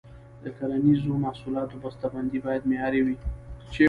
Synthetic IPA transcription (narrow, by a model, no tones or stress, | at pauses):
d̪əkaɾanizomahsulɑt̪obast̪aband̪ibɑjad̪mejɑɾewit͡ʃe